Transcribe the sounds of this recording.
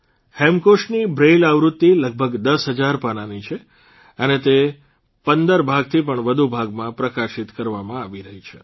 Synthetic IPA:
hɛmkoʃnibɾelaʋɾut̪ːiləɡ̚bʱəɡd̪əsɦəd͡ʒaɾpananit͡ʃʰe | ənet̪e | pənd̪əɾbʱaɡ̚t̪ʰip̬əɳʋəd̪ʱubʱaɡmãpɾəkaʃit̪kəɾʋamãaʋiɾəɦit͡ʃʰḛ

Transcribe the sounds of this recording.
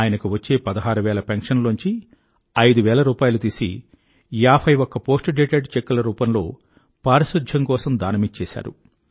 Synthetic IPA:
aːjɐnɐkuʋɐt͡ʃːe̞ːpɐd̪ɐɦaːɾuʋɛːlɐpeŋkʂɐnluɲt͡ʃi | ɐjd̪uʋɛːlɐɾuːpaːjɐlut̪iːsḭ | jaːpʰɐjʋɔkːɐpo̞ːsʈɖeːʈeɖt͡ʃekːulɐɾuːpɐnlo̞ː | paːɾɐʃud̪ʱjɐŋkɔːsɐmd̪aːnɐmit͡ʃːɛːʃa̰ːɾṵ

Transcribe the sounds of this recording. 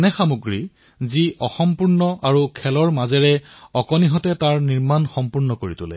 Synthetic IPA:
nɛxamuɡɹi | ziʔɔxɔmpuɹnɔʔaɹukʰɛlɔɹmazɛɹɛɔkɔniɦɔtɛtaɹniɹmanxɔmpuɹnɔkoɹitʊlɛ̰

